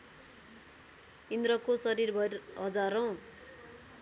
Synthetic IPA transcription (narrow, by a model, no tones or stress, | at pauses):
ind̪ɾʌkosʌɾirbʱʌrɦʌd͡zaɾʌw̃